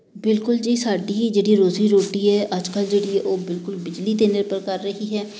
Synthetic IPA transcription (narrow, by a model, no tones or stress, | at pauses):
bɪlkʊld͡ʒeiːsaːɖiːd͡ʒeːɽiːɾoːziːɾoːʈiːɦɛːʔəd͡ʒkəld͡ʒeːɽiːɛʔoːbɪlkʊlbɪd͡ʒliːt̪eːnəɾpəɾkəɾːəɦiːɦɛː